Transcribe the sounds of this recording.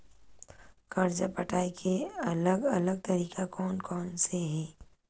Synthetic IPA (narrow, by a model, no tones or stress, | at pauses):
kɐɾd͡ʒapɐʈaːikʰeɐləɡɐləɡ̚t̪ɐɾiːkakɔːnkɔːnseɦɛː